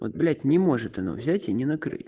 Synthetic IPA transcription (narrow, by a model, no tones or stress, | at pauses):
o̰t̪̚blʲætʲnʲɪmo̞ʐɨt̪ɐno̰vzʲætʲinʲɪnɐkɾɨ̰tʲ